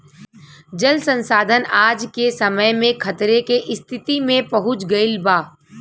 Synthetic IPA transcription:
d͡ʒəlsə̃nsaːd̪ʱənaːd͡ʒkesɐməjmẽkʰɐt̪ɾekeʔɪst̪ʰɪt̪imẽpɐɦʊt͡ʃɡɐɪlbaː

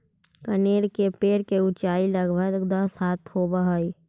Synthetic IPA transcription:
kəneːɾkepeːɾkeʊt͡ʃaːiləɡbʱəɡd̪əshaːt̪ʰhoːbəɦəi

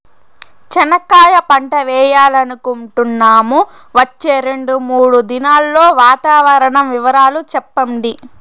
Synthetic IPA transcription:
t͡ʃɐnɐkaːjɐpɐɳʈɐʋɛːjaːlɐnikuɳʈunːaːmu | ʋɐt͡ʃːe̞ːɾe̞ɳɖumuːɽud̪inaːlːo̞ːʋaːt̪aːʋɐɾɐɳɐmʋiʋɐɾaːlut͡ʃɛpːɐɳɖi

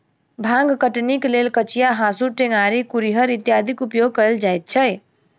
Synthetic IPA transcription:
bʱãŋɡkəʈniklelkət͡ʃijaɦãsuʈeŋaɾikuɾiɦəɾit̪jad̪ʱikupjoɡ̚kəld͡ʒajt̪̚t͡ʃʰəj

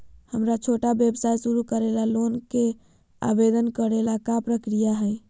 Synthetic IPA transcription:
həmɾat͡ʃʰoʈabebsajsuɾukəɾelalonke | a̰bed̪ənkəɾelakapɾəkɾijaɦəj

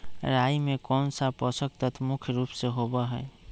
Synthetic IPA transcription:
ɾajimekɔːnsapɔsək̚t̪ət̪ʰmukʰjəɾupseɦobaɦɛː

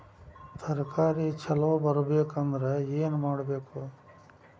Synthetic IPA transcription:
sʰɐɾɐkaːɾit͡ʃʰɐlɐʋbɐɾɐbeːkɐnd̪ɐɾeeːnumaːɽɐbeːku

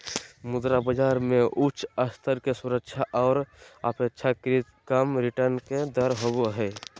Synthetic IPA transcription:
mʊd̪ɾabəd͡ʒaːɾmẽʔʊt͡ʃʰəst̪ʰəɾkesuɾəkʃʰaʔɔːɾapekʃʰakɾit̪kəmɾɪʈəɾnked̪əɾɦoboɦɛː

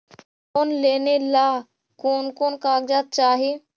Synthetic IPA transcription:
koːnleːnelaː | koːnkoːnkaːɡd͡ʒaːt̪̚t͡ʃaːɦe

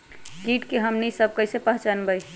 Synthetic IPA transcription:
kiʈkeɦəmnisəb̚kəɪsepəɦt͡ʃanbəj

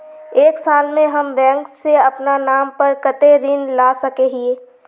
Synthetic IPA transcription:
eːksaːlmẽɦɐmbɛ̃ːŋkseɐpnanaːmpəɾkɐt̪eɾɪnlaːsɐkeɦieː

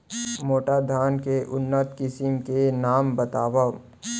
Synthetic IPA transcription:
moːʈad̪ʱaːnkeʔʊnːət̪kɪsɪmkenaːmbɐt̪aːʋa

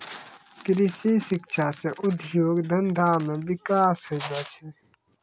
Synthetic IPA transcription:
kɾɪsiʃɪkʃʰaseʔʊd̪ʱjoːɡd̪ʱənd̪ʱaːmẽʋɪkaːsɦod͡ʒaːt͡ʃʰɛ

